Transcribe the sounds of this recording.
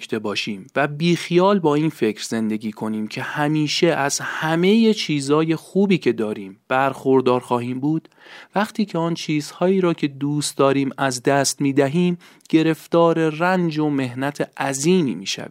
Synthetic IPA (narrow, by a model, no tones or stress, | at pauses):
t̪ʰebɒːʃiːmvæbiːxijɒːlbɒːiːnfe̞cʰɾze̞nd̪e̞ɡʲiːkʰo̞niːmcʰe̞hæmiːʃeæzhæme̞jet͡ʃʰiːzɒːje̞xuːbiːcʰe̞d̪ɒːɾiːmb̥æɾxo̞ɾd̪ɒːɾxɒːɦiːmbuːd̪̥ | væχt̪ʰiːcʰe̞ɒnt͡ʃʰiːzhɒːiːɾɒːcʲʰe̞d̪uːst̪̚d̪ɒːɾiːmæzd̪æst̪miːd̪æɦiːm | ɟ̥e̞ɾe̞ft̪ɒːɾe̞rænd͡ʒome̞hnæt̪ʰeæziːmḭːmḭːʃæ̰vḭ